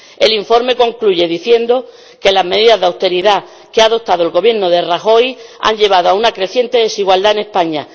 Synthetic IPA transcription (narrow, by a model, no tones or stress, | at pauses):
e̞liɱfo̞ɾme̞ko̞ŋkluʝe̞ðiθje̞nd̪o | ke̞lazmeðiðazðawst̪e̞ɾiða | keaðo̞t̪aðoe̞lɣo̞βje̞ɾnoð̞eraxo̞ja̰ɲʎe̞β̞aðoaunakɾe̞θje̞nt̪e̞ðe̞siɣwald̪aene̞spaɲa